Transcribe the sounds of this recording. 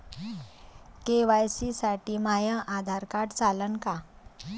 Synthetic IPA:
keʋajsisaʈiːmajə̃ʔad̪ʱaɾkaʈt͡salənka

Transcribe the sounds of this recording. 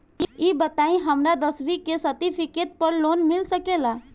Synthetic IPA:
iːbət̪aĩɦəmɾad̪əsʋikesət̪ipʰɪket̪̚pəɾloːnmɪlsəkela

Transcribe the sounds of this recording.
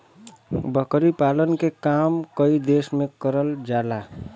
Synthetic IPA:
bʱəkɾipalənkekamkəid̪esmekəɾəld͡ʒala

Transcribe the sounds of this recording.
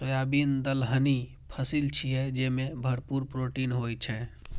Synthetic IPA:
pɾəjabind̪əlɦəni | pʰəsilt͡ʃʰiɦɛd͡ʒemebʱəɾpuɾpɾoʈinɦojt͡ʃʰɛ

